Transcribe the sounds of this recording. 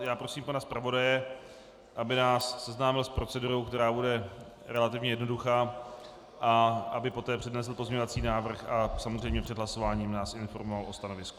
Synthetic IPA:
jaːpɾosiːmpanaspɾavo̞dajɛ | ʔabɪnaːsːɛznaːmɪlspɾo̞t͡sɛduɾowkt̪ɛɾaːbudɛ | ɾɛlat̪ɪvɲɛjɛdno̞duxaː | ʔaʔabɪpo̞t̪ɛːpr̝̥ɛdnɛsl̩po̞zɲɛɲo̞vat͡siːnaːvr̩xasamozr̝ejmɲɛpr̥ɛd̪ɦlaso̞vaːɲiːmnaːsʔɪnfo̞̰ɾmovalʔost̪ano̞vɪsku̥

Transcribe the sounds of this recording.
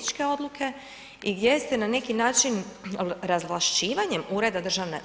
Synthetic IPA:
it͡ʃke̞o̞d̪lˠukʰe̞ | iɡdʲjest̪enane̞kinaːt͡ʃinɾazʋlˠaʃt͡ʃiːʋaɲe̞muːɾe̞d̪ad̪r̩ʒaʋnḛ

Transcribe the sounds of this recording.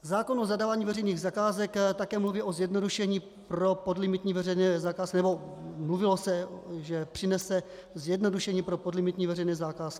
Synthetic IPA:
zaːko̞nozadaːvaːɲiːvɛrɛjniːɣzakaːzɛkt̪akɛːmluviːʔo̞zjɛdno̞duʃɛɲiː | pɾo̞podlɪmɪt̪ɲiːvɛrɛjnɛːzakaːskɪnɛbo̞mluvɪlo̞sɛʒɛpr̝̥ɪnɛsɛ | zjɛdno̞duʃɛɲiːpɾo̞podlɪmɪt̪ɲiːvɛrɛjnɛːzakaːskɪ̥

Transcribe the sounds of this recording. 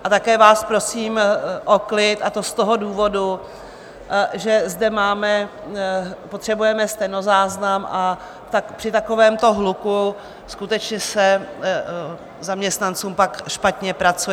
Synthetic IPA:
ʔat̪akɛːvaːspɾo̞siːmʔoklɪt̪at̪o̞st̪o̞ɦoduːvo̞du | ʒɛzdɛmaːmɛ | pot̪r̥ɛbujɛmɛst̪ɛjno̞zaːznamʔa | t̪akpr̥ɪt̪ako̞vɛːmt̪o̞ɦluku | skut̪ɛt͡ʃɲɛsɛ | zamɲɛst̪nant͡suːmpakʃpat̪ɲɛpɾat͡suɛ

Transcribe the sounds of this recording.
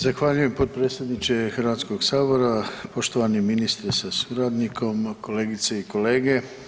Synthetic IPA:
zaxʋaːʎuje̞mpo̞t̪̚pɾet̪sʲje̞d̪nit͡ʃe̞xrɾʋaːt̪sko̞ɡsaːbo̞ɾapo̞ʃt̪o̞ʋaniminist̪ɾesasuɾaːd̪nikʰo̞mko̞le̞ːɡit̪seiko̞le̞ːɡe̞

